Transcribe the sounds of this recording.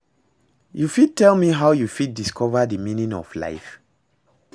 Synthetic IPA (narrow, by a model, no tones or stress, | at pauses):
jufid̚tʰɛlˠmiɦawjufid̚diskʰɔvədəmĩnĩŋɔ̰vla̰ɪf